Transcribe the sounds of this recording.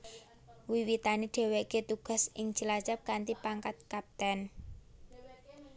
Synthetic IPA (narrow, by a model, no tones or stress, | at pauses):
wiwit̪aniɖ̥e̤weɡ̥et̪uɡ̥a̤sɪŋ̥d͡ʒ̥əlat͡ʃap̚kant̪ipaŋkat̪̚kap̚t̪ɛn